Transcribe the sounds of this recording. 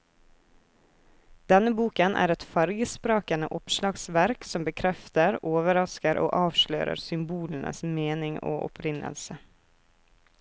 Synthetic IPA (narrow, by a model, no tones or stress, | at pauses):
d̪̥ɛnəbuːkənʔæ̰ːɾɛt̪fɑɾɡəspɾɑːkənə̰ʔɔpʃlɑːɡsʋæɾksɔmbəkʰɾɛft̪əɾoːʋəɾɑskəɾʔo̰ːʔɑːʋʃlø̰ːɾə̰ɾsʏmbuːln̩ʔə̰smeːnɪŋo̰ːʔɔ̰pʰɾɪnʔə̰lsə